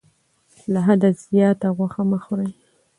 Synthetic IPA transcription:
laɦad̪azjɑt̪aɣwaxamaxɾaj

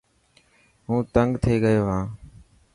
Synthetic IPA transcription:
ɦũːt̪əŋɡt̪ʰeːɡəjoːɦãː

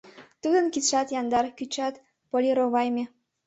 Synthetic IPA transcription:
t̪ud̪ənkit̪ʃɑt̪jɑnd̪ɑrkyt͡ɕɑt̪ | polʲiɾoβɑjmʲe

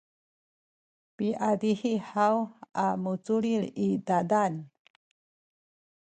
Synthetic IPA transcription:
piʔadiħiħawamut͡suɾiɾidadan

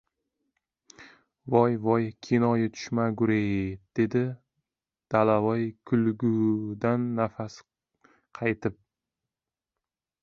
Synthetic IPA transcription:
vɒjvɒjkʲʰinɒjɪt̪ʰʊ̥ʃmaɡʊɾejd̪̥e̞d̪ɪ | d̪̥alavɒjkʰʊlɡʊd̪anːafas | qʰɑjt̪ʰɪp̚

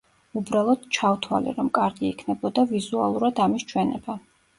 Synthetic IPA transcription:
ubɾalˠɔd̪̥t͡ʃʰawt̪ʰwa̰lḭɾɔmkʼaɾɡiːkʰnɛbɔd̪avizua̰lˠuɾad̪amist͡ʃʰwɛnɛba

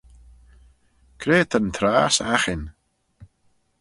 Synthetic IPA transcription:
kʰɾeːt̪ʰənt̪ʰɾaːsaxɪn

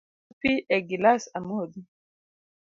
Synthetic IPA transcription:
piʔɛɡilasamod̪i

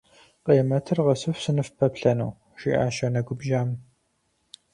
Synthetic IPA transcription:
qeːmɐtʰɨrʁɐsɨfsɨnɨfpʰɐpɬɐnṵw | ʃḭːʔa̰ːʃɐnɐɡʷʊbʒaːm

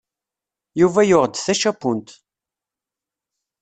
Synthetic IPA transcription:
juvæjʊʁd̪θæʃæpːʊnt̪

